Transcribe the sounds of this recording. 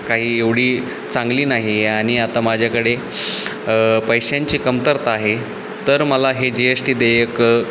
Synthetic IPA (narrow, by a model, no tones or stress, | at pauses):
kaɦiːeʋɽ̤iː | t͡sãŋɡliːnaɦiaɽ̃iat̪amad͡ʑʱjakəɽe | pəjɕjãɲt͡ɕiːkəmt̪əɾt̪aɦe | t̪əɾməlaɦed͡ʑeesʈiːd̪ejək